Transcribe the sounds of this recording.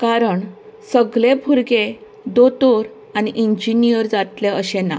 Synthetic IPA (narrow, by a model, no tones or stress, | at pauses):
kaɾəɳsəɡlebʰʱuɾɡe | d̪ot̪oɾ | aniʔiɲd͡ʑinijəɾd͡zat̪leəɕena̰